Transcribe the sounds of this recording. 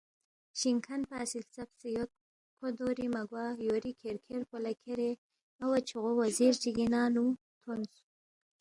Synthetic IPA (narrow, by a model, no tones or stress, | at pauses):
ʃiŋkʰanpaːsilt͡sapsijot̪̚ | kʰod̪oɾimaɡwɑjoɾikʰeɾkʰeɾpolakʰeɾe | awat͡ʃʰuɣowaziɾd͡ʒiɡinɑːnu | t̪ʰonsu